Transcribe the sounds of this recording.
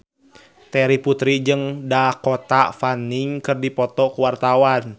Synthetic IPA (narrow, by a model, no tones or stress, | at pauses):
t̪ɛɾiput̪ɾid͡ʒɨŋdakɔt̪afaniŋkɨrdipɔt̪ɔkuwart̪awan